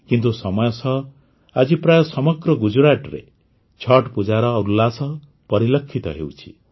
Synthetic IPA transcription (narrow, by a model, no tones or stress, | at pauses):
kint̪usɔmɔjɔsʰɔ | ad͡ʒipɾajɔsɔmɔɡɾɔɡud͡ʒuɾaʈɾe | t͡ʃʰɔʈpud͡ʒaɾɔːɾulasɔ | pɔɾilɔkʰːit̪ɔ̰ɦḛwt͡ʃʰi̥̰